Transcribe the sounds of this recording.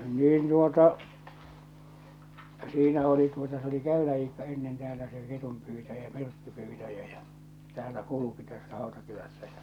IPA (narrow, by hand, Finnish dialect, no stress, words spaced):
niːn tuotɑ siːnæ oli tuotɑ s oli kæylæ iːkːɑ enːen teæːlæ se ketumpyːtæjæ myrkːypyːtæjæ j̊ɑ̥ tæːlːæ kuluki tæsːæ hɑˑotɑkylæsːæ